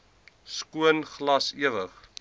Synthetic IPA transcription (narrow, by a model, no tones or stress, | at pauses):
skuənχlɐsiəvəχ